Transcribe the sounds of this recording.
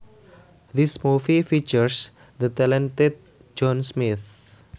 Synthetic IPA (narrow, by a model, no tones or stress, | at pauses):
d̪ismufifit͡ʃəɾs | d̪ət̪ɛlɛ̃nt̪et̪̚ | d͡ʒɔ̃nsmit̪̚